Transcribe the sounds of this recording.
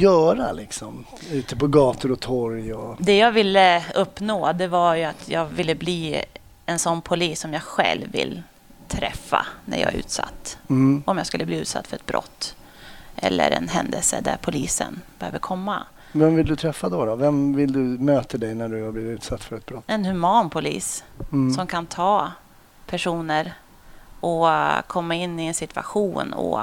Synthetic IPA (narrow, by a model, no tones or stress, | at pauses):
jœːɾalɪksɔm | ʉ̟ːt̪əpɔɡɑːt̪ʊɾɔt̪ʰɔɾjɔd̪ɛjɑːɡvɪlːəɵpːnoːd̪ɛvajɵat̪ʰjɑːɡvɪlːəbliː | ɛnsɔnːpʰʊliːsːɔmjɑːɡɧɛ̰lvːɪ̰lː | t̪ʰɾɛfːa̰næ̰ɾjɑ̰ːɡʉ̟̰ːt̪sa̰t̪ːɔmjɑːɡskɵlːəbliːʉ̟ːt̪sa̰t̪ːfœɾɛt̪̚bɾʔɔ̰t̪ː | ʔɛlːə̰ɾɛnɦɛnd̪əlsəd̪æɾpʰʊliːsənb̥ɛhøːvəɾkʰɔmːa | vɛmvɪld̪ɵt̪ʰɾɛfːad̪ɔd̪ɔvɛmvɪld̪ɵmøːt̪əd̪ɛjnæɖɵhabliːvɪt̪ʉːt̪sat̪ːfœɾɛt̪̚bɾɔt̪ːɛnhɵmɑːnpʰʊlḭːssɔmkʰant̪ʰɑː | pʰæʂuːnəɾ | ʔɔkʰɔmːaɪnːɪɛnsɪt̪va̰ɧuːnɔ̰